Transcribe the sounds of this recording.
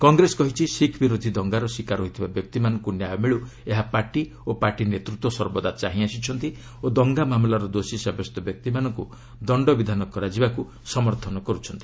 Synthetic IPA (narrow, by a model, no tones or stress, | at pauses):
kɔŋɡɾesɔkɔɦit͡ʃʰisikʰbiɾod̪ʱid̪ɔŋɡaɾɔsikaɾɦoɦit̪ʰibabjɔk̚t̪imanɔŋkunjajɔmiɭu | eɦapaɾʈi | opaɾʈinet̪ɾut̪wɔsɔɾbɔd̪at͡ʃaɦĩasit͡ʃʰɔnt̪i | od̪ɔŋɡamamlaɾɔd̪osisabɔst̪ɔbjɔk̚t̪imanɔ̃ŋku | d̪ɔɳɖɔbid̪ʱanɔkɔɾad͡ʒibaku | sɔmɔɾt̪ʰɔnɔkɔɾut͡ʃʰɔnt̪i̥